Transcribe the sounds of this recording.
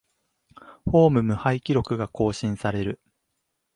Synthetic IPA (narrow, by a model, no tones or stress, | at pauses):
ho̞ːmɯ̟mɯ̟haikʲiɾo̞kɯ̟ɡako̞ːɕĩɰ̃saɾe̞ɾɯ̟